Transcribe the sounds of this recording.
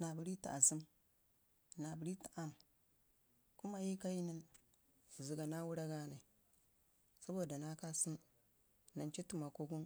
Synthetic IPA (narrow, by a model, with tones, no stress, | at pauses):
na˨bi˨ɾi˦ta˨a˨si˦m | na˨bu˨ɾi˦tḁ˨ʔa˦m˨ | ku˦ma˨ji˦ka˦ji˦ni˦n˨ | zi˨ɡa˨na˦wu˦ɾa˦ɡa˦na˨ | sa˦bo˦˨da˨na˦ka˦si˦m | na˨nt͡ʃi˦tu˨ma˨ko˦ɡu˦n